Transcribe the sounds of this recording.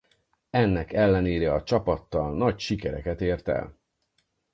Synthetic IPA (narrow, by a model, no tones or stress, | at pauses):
ɛnːɛkɛlːɛneːɾɛɒt͡ʃɒpɒt̪ːɒlnɒcʃikɛɾɛ̰kɛt̪eːrt̪ɛ̰l